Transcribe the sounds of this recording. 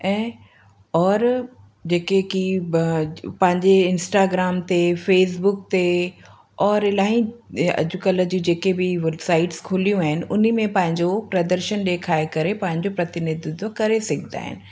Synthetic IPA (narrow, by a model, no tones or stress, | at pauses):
ɛ̃ː | ɔːɾ | d͡ʑeːkeki | pɐ̃ɦɪ̃ɲd͡ʑeɪnsʈaːɡɾaːmt̪efeːsbʊk̚t̪e | ɔːɾɪlaːɦĩɐ̰d͡ʑʊkələd͡ʑũd͡ʑeːkebɪʋebsaːɪʈskʰʊlijũaːɦɪnɪ̆ʔʊnimẽpɐ̃ɦɪ̃ɲd͡ʑopɾɐd̪əɾʃənɗeːkʰaːekɐɾepɐ̃ɦɪ̃ɲd͡ʑopɾɐt̪ɪnɪd̪ɪd̪kɐɾesɐɡʱd̪a̰ːɦɪ̰nɪ̆